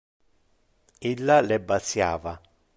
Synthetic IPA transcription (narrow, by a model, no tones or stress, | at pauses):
ilːalɛbːat̪sjaːva